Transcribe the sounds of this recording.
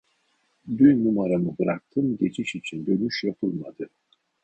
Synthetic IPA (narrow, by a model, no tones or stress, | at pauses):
d̪yjnumaɾamɯbɯɾak̚t̪ʰɯmɟe̞t͡ʃʰiʃit͡ʃʰind̪ø̞nyʃjapʰɯlˠmad̪ɯ